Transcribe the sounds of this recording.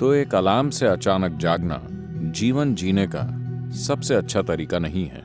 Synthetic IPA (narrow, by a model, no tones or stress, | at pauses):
t̪oeːkɐlaːmseɐt͡ʃaːnək̚d͡ʒaːɡna̰ | d͡ʒiːʋənd͡ʒiːneka̰sɐbseɐtːʃʰat̪ɐɾiːkanɐɦĩɦɛ̰ː